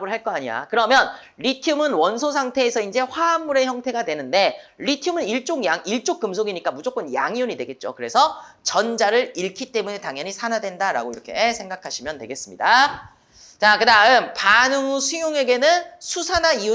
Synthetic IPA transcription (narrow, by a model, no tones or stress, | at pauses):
bɯɭɦaɭk͈ʌaɲia̰kɯɾʌmjʌn | ɾitʰjumɯnwʌnsʰosʰaŋtʰe̞ːsʰʌind͡ʑe̞ɸwaːmːuɾe̞çjʌŋtʰe̞ɡadwe̞nɯnde̞ɾitʰjumɯniɭt͡ɕ͈oŋjaŋiɭt͡ɕ͈ok̚k͈ɯmsʰoɡiɲik͈amud͡ʑok͈ɯmja̰ŋiuɲidwe̞ɡe̞t̚t͡ɕ͈o̰kɯɾe̞sʰʌt͡ɕʌnd͡ʑaɾɯɾiɭkʰit͈e̞mune̞taŋjʌɲisʰanadwe̞ndaɾa̰ɡoiɾʌkʰe̞sʰe̞ŋɡakʰaɕʰimjʌntwe̞ɡe̞s͈ɯmɲida | t͡ɕakɯdaɯmpanɯŋusʰujoŋe̞ɡe̞nɯnsʰusʰanaiu